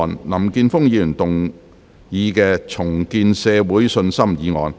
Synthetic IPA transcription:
nlɐ˨˩mkiː˧nfʊ˥ŋjiː˨˧lyː˨˩nt̪ʊ˨ŋ | jiː˨˧kɛː˧t͡sʰʊ˨˩ŋkiː˧nsɛː˨˧wuː˨˥jsɵ˧nsɐ˥mjiː˨˧ŋɔ̰ː˨˧n

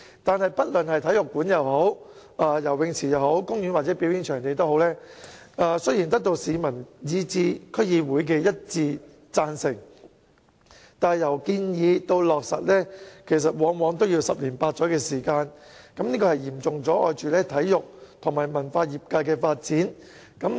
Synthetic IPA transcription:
t̪aː˨nhɐ˨jpɐ˥t̚lɵ˨nhɐ˨jt̪ʰɐ˨˥jʊ˨kːuː˨˥njɐ˨who˨˥w | ʔaː˨˧jɐ˨˩wɪ˨˧ŋt͡sʰiː˨˩jɐ˨who˨˥wkʊ˥ŋjyː˨˥nwa˨t̚t͡sɛː˨˥pi˨˥wji˨˥ŋt͡ʃʰœː˨˩ŋt̪e˨jt̪o˥who˨˥wlɛː˥ | aː˧sɵ˥jiː˨˩nt̪ɐ˥k̚t̪o˧wsiː˨˧mɐ˨˩njiː˨˧t͡siː˧kʰɵ˥jiː˨˧wuː˨˥jk̬ɛː˧jɐ˥t̚t͡siː˧ | t͡saː˧nsɪ˨˩ŋ | t̪aː˨jɐ˨˩wkiː˧njiː˨˧t̪o˧wlɔː˨k̚sɐ̰˨t̚lɛː˥kʰe˨˩js̬ɐ˨t̚wɔː˨˥ŋwɔː˨˧˥ŋt̪o˥wji˧wsɐ˨p̚liː˨˩npaː˧t̚t͡sɔː˨˥kɛː˧siː˨˩kaː˧nkɐ˨˦mniː˥kɔː˧hɐ˨jjiː˨˩mt͡sʊ˨ŋt͡sɔː˨˥ʔɔ̰ː˧jt͡ʃyː˨lɛː˥t̪ʰɐ˨˥jːʊ˨k̚t̪ʰʊ˨˩ŋmaː˨˩jmɐ˨˩nfaː˧jiː˨˩p̚kaː˧jkɛː˧faː˧t̚t͡siː˨˥n | kɐ˨˥m

